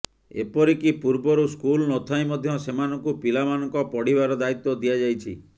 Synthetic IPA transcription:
ḛpɔɾikipuɾbɔɾuskulnot̪ʰajmɔd̪ʱjɔsemanɔŋkupilamanɔŋkɔpɔɽibaɾɔd̪ait̪ːɔd̪iad͡ʒajt͡ʃʰḭ

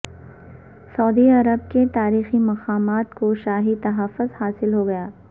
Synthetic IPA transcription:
sɐːd̪iɐɾəb̚ket̪aːɾiːximɐqaːmaːt̪koʃaːɦit̪ɐɦəfːʊzhaːsɪlɦoɡɐjaː

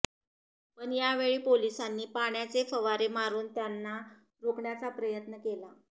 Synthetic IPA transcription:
pəɳjaʋeɭiːpolisanːiːpaɳjat͡sefəʋaɾemaɾuːnt̪janːa | ɾokɳjat͡sapɾəjət̪nəkela

